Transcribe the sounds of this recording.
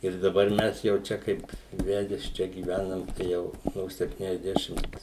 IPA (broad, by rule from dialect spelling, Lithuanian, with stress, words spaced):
ɪr dɐˈbɐr ˈmʲɛs jɛʊ ˈt͡ʃʲɛ ˈkɐɪp ˈʋʲæːdʲɛs ˈt͡ʃʲɛ ɡʲiːˈʋʲænɐm ˈjɛʊ noː sʲɛpʲtʲiːnʲɛzʲˈdʲæːʃʲɪmt